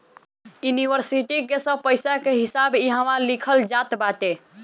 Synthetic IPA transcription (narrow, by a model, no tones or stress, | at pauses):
juniʋəɾsiʈikesə̃pəjsakeɦisabiɦə̃malikʰəld͡ʒat̪baʈe